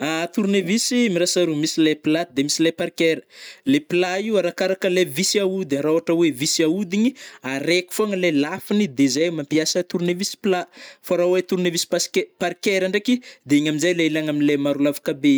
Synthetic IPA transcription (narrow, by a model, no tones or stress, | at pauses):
at̪uɾnevisimiɾasaɾumisileplad̪emisilepaɾkeɾə̥lepilaiwaɾakaɾakəlevisiaud̪aɾauaʈ͡ʂəwevisiaud̪iɲiaɾeku̥foaŋəlelafinid̪ezajmampiasət̪uɾnevisi̥plafaɾawet̪uɾnevisi̥paskepaɾkeɾaɳɖ͡ʐekid̪eiɲaminzajleilaŋaminlemaɾulavḁkabe